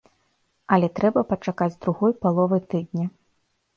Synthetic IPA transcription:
ɐlʲɛt̪ɾɛbɐpɐt͡ʂakad͡zʲd̪ɾuɣɔjpalˠɔvɨjt̪ɨd̪̚ʲnʲɐ

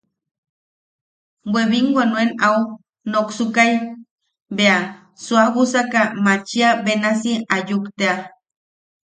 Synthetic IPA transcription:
weβiŋɡwanuenau | noksukaj | bea | suawusakamat͡ʃiabenasiajukt̪ea

